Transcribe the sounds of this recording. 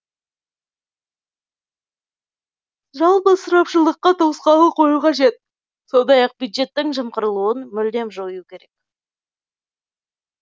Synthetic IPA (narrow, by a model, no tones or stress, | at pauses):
ʒɑlˠpəsʊɾɑpʃəlˠəqːɑt̪ʰosqɑlˠəqʰo̞juqɑʒe̞t̪̚ | so̞nd̪ɑjɑq̚bʲjud̪ʒe̞t̪ːɪŋʒəmqəɾəlˠuənmʏld̪e̞mʒojukʲʰe̞ɾe̞k̚